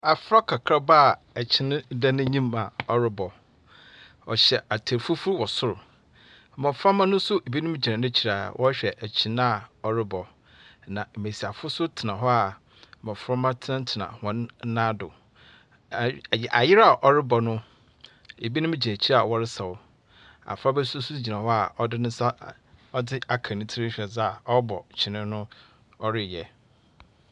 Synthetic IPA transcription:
a˨fɾɔ˦kʰa˨kʰɾa˦ba˦˨ | æ˨t͡ɕʰɪ˨ñ˦dã˦nʊ̃˦ɲĩ˦ma˨ɔ˦ɾɪ˦bɔ˨ | ɔ̰˨ɕɛ˨ʔa˨tʰa˨fu˦fu˦ɾwɔ˨sʊ˦ɾʊ˨ | mɔ̃˨fɔ˦mã˦nʊ̃˦sʊ˦e˨bi˦nʊ̃˦m˦d͡ʑi˨ã˨nʊ̃˦t͡ɕʰi˨ɾa˨wʔɔ̰˦ɕᶣɛ˨ʔæ˨t͡ɕʰi˨ñ˦a˨ɔ˨ɾɪ˦bɔ˨ | nã˨me˨si˨a˨fʊ˦sʊ˦tʰɪ˨nã˨ɦɔ˦a˨ | mɛ̃˨fʊ˨˦ɾɔ˦mã˦tʰã˦n˦tʰɪ˨nã̰˨hɔ̃˦n˦nã˦dʊ˨ | ʔa̰˨jɪ˦ɾa˨ʔɔ˦ɾɪ˦bɔ˨nʊ̃˦ | e˨bi˦nʊ̃˦m˦d͡ʑi˨æ̃˨t͡ɕʰi˦ɾa˨wɔ˦ɾɪ˦sa˨wʊ˨ | a̰˨fɾa˦bɛ˦sʊ˦su˦d͡ʑi˨nã˨hɔ˦a˨ɔ˦dɪ˦nʊ̃˦sa˦ | ɔ˦dɪ˦a˨kʰã˨nɪ̃˦tʰi˦ɾɪ˦ɕᶣɛ˨za˦˨ɔ˦bɔ˨t͡ɕʰɪ˨nɪ̃˦nʊ̃˦ | ɔ˦ɾɪ˦˨jɛ˨

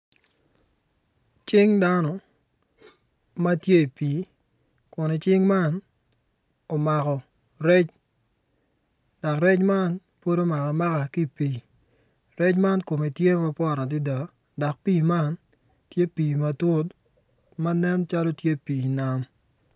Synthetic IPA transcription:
t͡ʃɪ˦ŋda˦nɔ˨ | ma˦tje˦i˨piː˨˦ | kʊ˨ne˨t͡ʃɪ˦ŋma˦n | o˨ma˨kɔ˨ | ɾɛ˦t͡ʃ | da˨kɾɛ˦t͡ʃma˦n | po˦do˦ma˨ka˨ma˦ka˨ki˦pi˨ | rɛ˦t͡ʃma˦nko˨me˨tje˦ma˦pɔ˦˨ɾa˨dɪ˦da˨ | da˨k̚piː˦ma˦n | tje˦piː˨ma˨to˦t | ma˦nɛ˦nt͡ʃa˦lo˦tje˦piː˨i˨na˦m

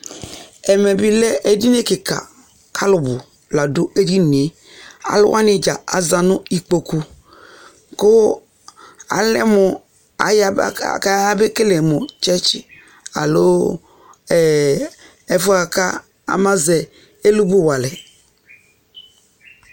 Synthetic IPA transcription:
ɛ˨mɛ˨bi˦lɛ˦e˨di˦ne˦kɪ˨ka̰˨ | kʰa˦lʊ˨bʊ˨ | la˨dʊ˦e˦d͡ʒi˦n˨e˨ | a̰˨lʊ̰˦wʔa˦nɪ˨d͡ʒa˨a˨za˨nʊ˦i˨k͡po˨ku˦ | kʊ˦ | a̰˨lɛ˦mʊ˨ | a̰˨jka˦a˦bɪ˦kɪ˦lɛ˨mʊ˨t͡ʃɛ˦t͡ʃ | a̰˨lo˦ | ɛ˨ | ɛ˨fʊ˦a˨ka̰˦ | a̰˨ma˦zɛ˨ | e˦lu˦bu˦wa˨lɛ˨

